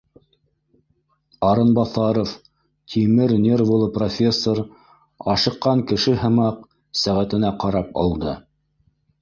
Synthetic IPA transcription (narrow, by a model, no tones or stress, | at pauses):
ɑɾɤnbɑθɑɾof | t̪ʲʰimɘɾnʲervulˠɤprofʲesːoɾ | ɑʃɤ̆qːɑŋkɘ̆ʃɘɦɤ̆mɑq̚ | sæʁæt̪ɘ̆næqɑɾɑpɑ̰lˠd̪ɤ